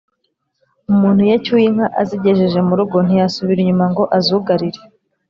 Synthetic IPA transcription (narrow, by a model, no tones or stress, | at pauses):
umuːn̥hujecujiŋ̥aʔaziɟe̞ʒe̞ʒe̞muɾuɡo̞n̥ijasuβiɾiɲumaŋɡo̞ʔazuɡaɾiɾe